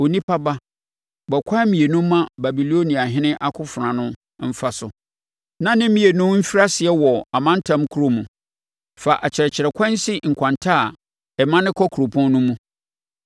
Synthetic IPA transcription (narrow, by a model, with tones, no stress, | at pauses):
o˨nĩ˦pʰa˦ba˦ | bɔ˨kʷʰa˦mĩ˨e˨nʊ̃˦mː˦ã˦ba˨bi˨lo˦nĩ˨a˨ɦɪ̃˦nɪ̃˦ʔa˦kʰʊ˦fʊ˨ɾã˨nʊ̃˦ | m̩˦fa˦sʊ̰˨ | nã˦nɪ̃˦mĩ˨e˨nʊ̃˦mm̩˦fi˦ɾa˦sɪ˨ɛ˦wɔ˨a˨mã˦n̩˦tʰã˦mkʰu˦ɾo˦mũ˨ | fa˨ʔa˨t͡ɕʰɪ˨ɾɛ˨t͡ɕʰɪ˨ɾɛ˨kʷʰã˦n̩˦sɪ˦ŋ̩˨kʷʰã˨ntʰa˦˨ | ɛ˨mã˦nɪ̃˦kʰɔ˦kʰu˨ɾo˨pʰɔ̃˦n˦nʊ̃˦mũ˦